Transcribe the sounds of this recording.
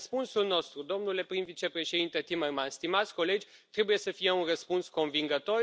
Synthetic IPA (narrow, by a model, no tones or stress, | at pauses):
spunsulno̞st̪ɾud̪o̞mnule̞pɾinvit͡ʃe̞pɾe̞ʃed̪int̪e̞t̪imərmanst̪imat̪sʲko̞le̞d͡ʒʲ | t̪ɾe̞buje̞səfijeunrəspunsko̞nviŋɡət̪o̞r